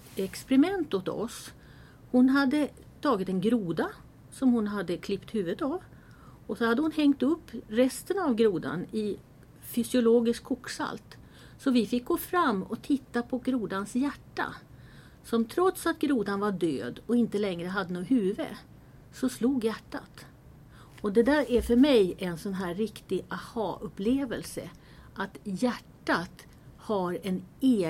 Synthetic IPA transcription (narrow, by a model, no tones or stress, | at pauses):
ɛkspɛɾɪmɛnt̪ot̪ɔ̰s | hʊnɦad̪ːə | t̪ʰɑːɡɪt̪ɛnɡɾuːd̪a | sɔmhʊnɦad̪ːəkʰlɪpt̪hʉ̟ːvət̪av | ɔsɔhad̪ːəhʊnhɛŋt̪ɵpːɾɛst̪ənavɡɾuːd̪a̰nɪ | fʏsɪʊloːɡɪskʰːɔkːsa̰lt̪ | sɔvɪfɪk̚ːɡoːfɾamːɔt̪ʰɪt̪ːapʰɔɡɾuːd̪ansjæʈːa̰ | sɔmt̪ʰɾɔt̪sat̪ɡɾuːd̪anvaɖø̰ːd̪ɔɪnt̪əlɛŋɾəɦad̪ːənoːhʉ̟ːvə̰ | sɔsluːɡjæʈːa̰t̪ | ɔd̪ɛd̪æːɾæfœɾmɛjʔɛnsɔnɦæːɪkt̪ɪʔahɑ̰ːʔɵpleːvəlsə̰ | ʔat̪jæʈːat̪ | haɾɛneː